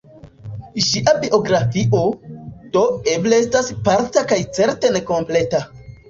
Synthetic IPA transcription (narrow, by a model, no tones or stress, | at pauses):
ʃiʔabiʔo̞ɡɾafiʔo̞d̥o̞e̞ble̞estaspaɾtakajt͡se̞ɾte̞ne̞ko̞mple̞ta